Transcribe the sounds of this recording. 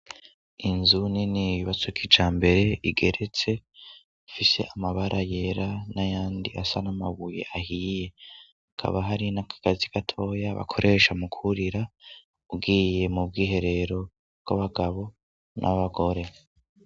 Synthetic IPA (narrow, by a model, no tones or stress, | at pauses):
inzuniniβiβat͡sukʰid͡ʒaːmbe̞ɾe̞iɡe̞̰ɾe̞t͡se̞ | ufise̞̰ʔamaβaɾʔaje̞ɾanajaːndiʔasanamaβuje̞̰ʔahije̞ | akʰa̰βaɦaɾinakʰḁɡaziɡatʰo̞ːjaβa̰kʰo̞ɾʔe̞ːʃamukʰuɾiɾa | ub̚ɡiːje̞mub̚ɡiːɦe̞ɾe̞ɾo̞ | bɡ̥a̰βaɡaβo̞ | nʔa̰βaɡo̞ɾe̞